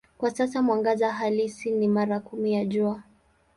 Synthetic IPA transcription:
kwasasamwaŋɡazaɦalisinimaɾakumijaʄua

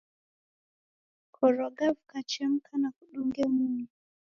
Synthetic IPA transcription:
kʰɔɾɔɡavukat͡ʃɛm̩kʰanakuɗuŋɡɛmumi

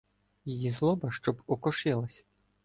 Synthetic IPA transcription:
jijizlˠɔbɐʃt͡ʃɔbɔkɔʃɪlˠɐsʲ

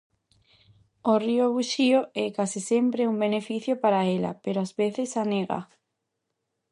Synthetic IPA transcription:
orioβuʃioɛkasisempɾeumbenefiθjopaɾaela̰peɾoazβeθesaneɣa̰

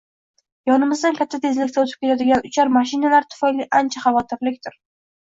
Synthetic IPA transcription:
jɒnɪmɪzd̪ankʲʰat̪ʰːat̪ʰe̞zlɪkʲt̪ʰaot̪ʰɪ̥pkʲʰet̪ad̪ɪɡʲanʊt͡ʃʰɒɾmaʃ̬ɪnalaɾt̪ʰʊ̥fajliʔant͡ʃʰaχavɒt̪ʰɪɾlɪkʲt̪ʰɪɾ

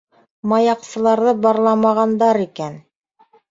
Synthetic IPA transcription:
mɑjɑqsɤ̆lˠɑɾðɤbɑɾlˠɑmɑʁɑnd̪ɑɾikæn

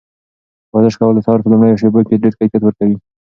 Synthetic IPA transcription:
wɑzɪʃkawəld̪əsɑɾpəlʊmɽəjoʃ̬ebokeɖeɾkakat̪wəɾkawi

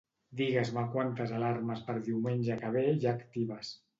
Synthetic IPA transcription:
d̪iɣazmakwant̪əzalarməspəɾðiwmenʲʒəkaβ̞eʒaːkt̪iβas

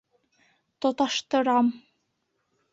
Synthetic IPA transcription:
t̪ot̪ɑʃt̪ɤ̆ɾɑm

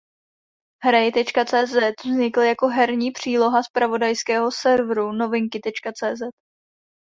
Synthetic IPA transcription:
ɦɾajɪt̪ɛt͡ʃkat͡sɛːzɛt̪vzɲɪkljako̞ɦɛɾɲiːpr̝̥iːlo̞ɦaspɾavo̞dajskɛːɦo̞sɛɾvɾuno̞vɪŋkɪt̪ɛt͡ʃkat͡sɛːzɛt̪

